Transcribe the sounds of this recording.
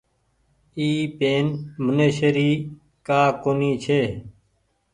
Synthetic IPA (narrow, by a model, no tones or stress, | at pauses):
iːpeːnməneːʃəɾiː | kaːkoːniːt͡ʃʰeː